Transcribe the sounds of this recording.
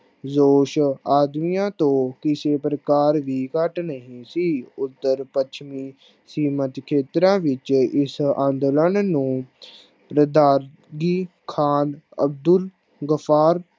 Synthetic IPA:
zoːʃaːd̪mijãːt̪õːkɪseːpɾəkaːɾʋiːkəʈnəɦĩːsiːʊt̪ːəɾpəʃmiː | siːmət̪kʰeːt̪ɾãːʋɪt͡ʃɪsãːnd̪lənnũː | pɾəd̪aːɾ | ɡiː | kʰaːnə̰b̚d̪ʊl | ɡəpʰaːɾ

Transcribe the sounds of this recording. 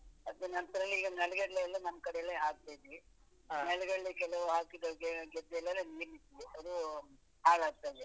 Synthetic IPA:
ɐd̪unɐnt̪ɐɾɐlːiiːɡɐnɛlɡɐɽleɐlːɐnɐmːɐkɐɽɛjɐlːeɦaːɡ̚t̪ajd̪iʋi | nɛɭɡɐɭːikɛlɐʋuɦaːkid̪ɐɡeɡɛd̪ːlːɐlːɐniːɾnid̪iʋiɐd̪u | haːɡaːɡt̪ajd̪e

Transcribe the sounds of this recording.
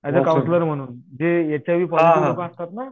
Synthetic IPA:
ad͡zakawnsləɾm̤əɽ̃uːnd͡ʑejat͡ɕaʋiːpɔiiəkast̪at̪na

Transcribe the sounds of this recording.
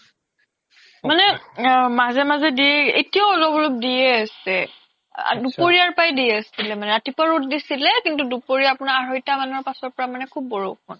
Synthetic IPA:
manɛmazɛmazɛdijɛḛtiaɔlɔbɔlop̚dijɛasɛ | a̰dupoɹiaɹpajdiɛasilɛmanɛatipaɹot̚disilɛkintudupoɹiaapʊnaaɹɔjtamanɔɹpasɔɹpɔɹamanɛkʰub̚ːɔɹo̰kʰɔn

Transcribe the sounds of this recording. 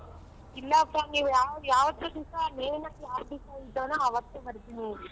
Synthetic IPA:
ilːɐːpːaniːʋujaːjaːʋɐt̪ːod̪isaneːnakjaːʋd̪isaid̪ːoːnɐɐʋɐt̪ːebɐɽt̪ini

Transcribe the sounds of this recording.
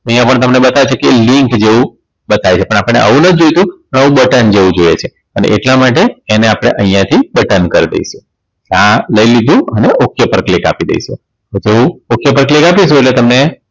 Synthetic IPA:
əɦĩjãpəɳt̪əmnebət̪aʋet͡ʃʰekelĩŋkd͡ʒeʋũ | bət̪aʋjt͡ʃʰepəɳapəɳnḛʔə̰ʋũnəd͡ʒojt̪ũpəɳəʋũbəʈənd͡ʒeʋũd͡ʒojḛt͡ʃʰe | ənḛʔḛʈlamaʈ̬eːneapɽ̃ḛʔəɦĩjãt̪ʰibəʈənkəɾd̪ḛiʃu | kãləilid̪ʱũəneʔokʰjəpəɾklika̰pid̪ḛijʃṵ | od͡ʒeʋũokʰjəpəɾklikapiʃũeʈlet̪əmne

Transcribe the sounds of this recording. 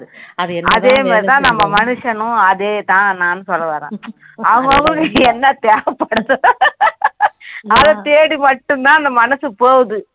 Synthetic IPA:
ɯɐ̰ðeːmaːɾit̪ãːnɐmːɐmɐnɯʂɐnʊ̃ɐðeːt̪ãːnaːnːɯsɔlːɐʋɐːɾḛ̃ː | ɐʋɐŋɡɐɐɡɐɭkːɛnːɐt̪eːɐpːɐɽɐðɯ | ɐðɐt̪eːɽimɐʈːɯnt̪ãːɐnd̪ɐmɐnɐsɯpoːɣðɯ

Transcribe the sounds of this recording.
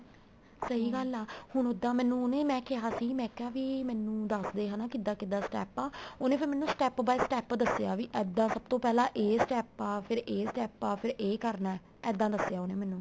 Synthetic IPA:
səɦiːɡəlaːhʊnʊd̪ãːmɛːnːũːʊnẽːmɛ̃ːkɪɦaːsiːmɛ̃ːkɪɦaːʋiːmɛːnũːd̪əsd̪eːɦãnãːkɪd̪aːkɪd̪aːsʈɛːpaːoːnẽːpʰɪɾmɛ̃ːnːũːsʈɛːpbaːisʈɛːpd̪əsjaːʋiːʔɛːd̪ãːsəb̚t̪õːpɛːlãːʔeːsʈɛːpaːpʰɪɾeːsʈɛːpaːpʰɪɾeːkəɾnaɛ | ɛːd̪ãːd̪əsjaːonẽːmɛ̃ːnũː

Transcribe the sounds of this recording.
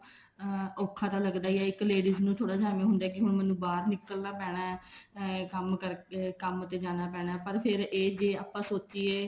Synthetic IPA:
oːkʰːãːt̪aːləɡd̪aːiɛːɪkːleːɖiznũːt̪ʰoːɽaːd͡ʒaːmẽːɦʊnd̪aːkɪɦʊɳmənũːbaːɾnɪkəlnaːpɛːɽ̃aː | kəmkəɾkəmət̪eːd͡ʒaːñaːpɛːɽ̃aːpəɾpʰɪɾeːd͡ʒeːaːpːãːsoːt͡ʃiːeː

